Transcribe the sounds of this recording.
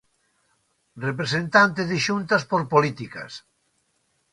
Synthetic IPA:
repɾesẽnt̪ant̪eðeʃunt̪aspoɾpolit̪ika̰s

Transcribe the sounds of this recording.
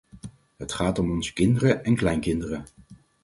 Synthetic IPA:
ɦətχaːtɔmɔnzə̥kɪndərəɛnklɛjŋkɪndərə

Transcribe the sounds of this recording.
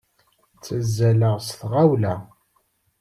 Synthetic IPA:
t͡sːəzːæləʁsθʁawlæ

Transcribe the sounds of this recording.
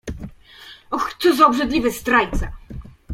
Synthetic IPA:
ɔxt̪sɔzaɔbʐɛd̪lʲivɘst̪ɾajt̪sa

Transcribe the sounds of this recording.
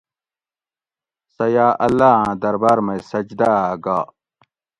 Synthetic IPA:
sɐjaːʔɐlːaːãd̪ɐɾbaːɾmɐjsɐd͡ʑd̪aɡaː

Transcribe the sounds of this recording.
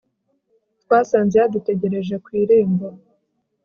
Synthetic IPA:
twaːsaːnzehadute̞ɟe̞ɾe̞ʒekwiːɾeːmba

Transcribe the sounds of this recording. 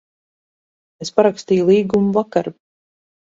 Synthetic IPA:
espaɾakst̪iːjulˠiːɡumuvakaɾ

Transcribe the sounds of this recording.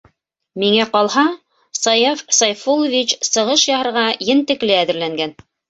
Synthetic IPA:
miŋæqɑlˠhɑ | sɑjɑfsɑjfolˠovʲit͡ɕsɤ̆ʁɤʃjɑhɤ̆ɾʁɑjɘnt̪ɘ̆klɘæðɘ̆ɾlæŋɡæn

